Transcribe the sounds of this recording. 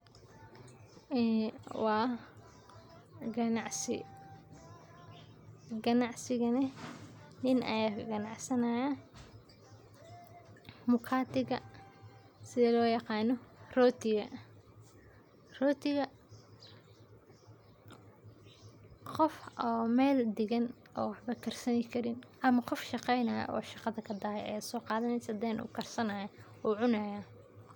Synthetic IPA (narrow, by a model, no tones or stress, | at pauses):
wɑː | ɡɐnɑʕsɪ̰ | ɡɐnɑʕsɪɣɐnɐ | nɪnɐ̰jaːɡɐnɑʕsɐnaːjɐ | mʊkʰaːt̪ɪɣɐ̰ | sɪðɛlɔːjɑqɑːnɔrɔːt̪ʰɪɣɐ | rɔːt̪ʰɪɣɐ | qɔfɔːmɛːld̪ɪɣɐn | ɔːwɑħbɐkʰɐrsɐnɪkʰɐɾɪnʔɐmɐqɔfʃɑqɛjnɐːj̰ʔɔ̰ːʃɑqɑðɐkʰɐd̪aːɛ̰ɛ̰ːsɔːqɑːðɐnɛjsɐd̪ɛːnʔṵːkʰɐrsɐnaːjɐ | uːʕʊnɐjaː